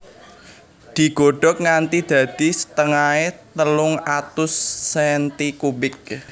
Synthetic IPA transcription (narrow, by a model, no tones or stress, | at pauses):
d̪̥i̤ɡ̥o̤ɖ̥ɔ̤k̚ŋant̪id̪̥ä̤d̪̥i̤sə̥t̪əŋaet̪əlʊŋat̪ʊsːɛnt̪ikubɪk̚